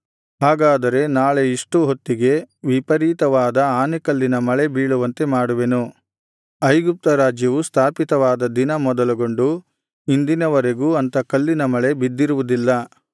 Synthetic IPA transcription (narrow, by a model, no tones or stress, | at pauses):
ɦaːɡaːd̪ɐɾe̞naːɭe̞iʂʈuɦo̞t̪ːiɡe̞ʋipɐɾiːt̪ɐʋaːd̪ɐaːnikɐlːinɐmɐɭe̞biːɭuʋɐnt̪e̞maːɽuʋe̞nu | ɐjɡup̚t̪ɐɾaːd͡ʒjɐʋust̪ʰaːpit̪ɐʋaːd̪ɐd̪inɐmɔd̪ɐluɡo̞ɳɖu | ind̪inɐʋɐɾe̞ɡuːɐnt̪ɐkɐlːinɐmɐɭe̞bid̪ːiɾuʋud̪ilːɐ